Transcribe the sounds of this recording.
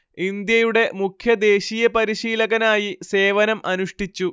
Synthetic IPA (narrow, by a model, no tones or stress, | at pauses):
ind̪jɐjuɽe̞mukʰjɐd̪e̞ːɕiːjɐpɐɾiɕiːlɐɣɐnaːjise̞ːʋɐnɐmʔɐnuʂʈit͡ɕːu